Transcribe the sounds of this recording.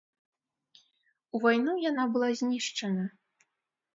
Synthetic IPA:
uvajnujanabɨlˠazʲnʲiʂt͡ʂɐnɐ

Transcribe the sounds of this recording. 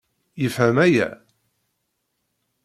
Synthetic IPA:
jəfhæmæjæ̰

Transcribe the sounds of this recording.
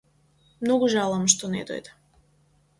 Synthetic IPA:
mnoɡuʒalˠamʃt̪onḛd̪o̰jd̪a

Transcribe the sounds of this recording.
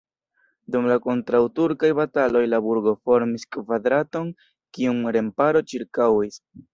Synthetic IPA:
dumlako̞ntɾawtuɾkajbatalo̞jlabuɾɡo̞fo̞ɾmiskvadɾato̞n | kiumɾe̞mpaɾo̞t͡ʃiɾkawis

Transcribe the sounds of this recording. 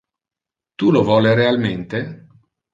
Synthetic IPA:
t̪ulovɔːleɾealment̪e

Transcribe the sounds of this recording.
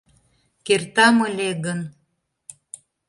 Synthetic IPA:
kert̪ɑməlʲeɣən

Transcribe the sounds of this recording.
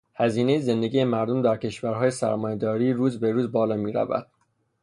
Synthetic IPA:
hæziːne̞jeze̞nd̪e̞ɡɟiːjemæɾd̪omd̪æɾcʰe̞ʃvæɾɦɒːje̞sæ̰ɾmɒːjed̪ɒːɾiːɾuːzbe̞ɾuːzbɒːlɒːmiːɾæ̰væ̰d̪̥

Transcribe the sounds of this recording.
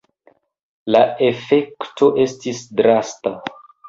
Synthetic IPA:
lae̞fe̞kto̞ʔe̞stisdɾasta

